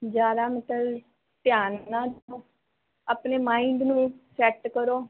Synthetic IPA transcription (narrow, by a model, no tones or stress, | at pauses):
d͡ʒaːɾaːmɪt̪əl | t̪jaːnːãːd̪oː | aːpneːmãːĩɳɖ̪nũːsɛːʈkəɾoː